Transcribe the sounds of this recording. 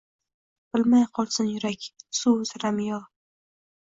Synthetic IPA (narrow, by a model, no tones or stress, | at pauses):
b̥ɪlmajqʰɒlˠsɪnjʊɾakʲsuzɾamjɒ